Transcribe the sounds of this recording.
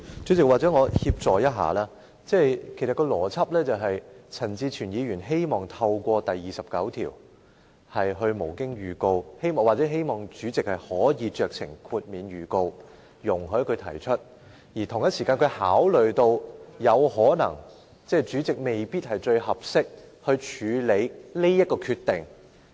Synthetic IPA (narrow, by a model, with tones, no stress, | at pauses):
t͡ʃy˨˥t͡sɪ˨k̚waː˨t̚t͡sɛ˨˥ŋɔː˨˧hiː˧p̚t͡sɔː˨˩jɐ˥t̚ɦa̰ː˨laː˥ | t͡sɛː˥˩jkʰe˨˩sɐ˨t̚kɔː˧lɔː˨˩t͡sʰɐ˥p̚lɛː˥t͡sɐ˨wɦɐ˨jt͡sʰɐ˨˩nt͡siː˧t͡ʃʰyː˨˩njiː˨˧ɥyː˨˩nɦe˥jmɔː˨˩ŋt̪ʰɐ˧wkʷɔː˧t̪ɐ˨jːiː˨˩sɐ˨p̚kɐ˨˥wt̪ʰḭː˨˩w | hɐ˨jɦɵ˧ɥmo˨˩wkɪ˥ŋɥyː˨˩ko˧whe˥jmɔː˨ŋwaː˨t̚t͡sɛː˨˥ɦe˥jmɔː˨˩ŋt͡ʃyː˨˥t͡sɪ˨k̚hɐ˨jhɔː˨˥jiː˨˧t͡ʃœː˨k̚sʰɪ̰˨˩ŋkʰuː˧t̚miː˨˧nɥyː˨˩ko˧w | jʊ˨˩ŋɦɵ˨˥kʰɵ˨˧ɥt̪ʰɐ̰˨˩jt͡ʃʰɵ˥t̚ | jiː˨˩t̪ʰʊ˨˩ŋjɐ˥t̚siː˨˩kaː˧nkʰɵ˨˧haː˨˥wlɵ˨ɥt̪o˧wjɐ˨˧whɔː˨˥nɐ̰˨˩ŋ | t͡sɛː˥˩t͡ʃyː˨˥t͡sɪ˨k̚me˨jpiː˥t̚hɐ˨jt͡ʃɵ˧ɥhɐ˨p̚sɪ˥k̚hɵ˧ɥt͡ʃʰyː˨˧le˨˥jli˥jɐ˥t̚kɔː˧kʰyː˧t̪ːɪ˨˩ŋ